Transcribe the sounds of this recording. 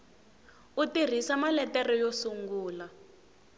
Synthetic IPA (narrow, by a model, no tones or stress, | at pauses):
utir̤isamalɛtɛrɔjɔsuŋɡuːla